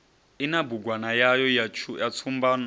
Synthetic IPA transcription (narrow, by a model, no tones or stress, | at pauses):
inabuɡwanajajɔjat͡ʃʰujat͡sʰumbaːn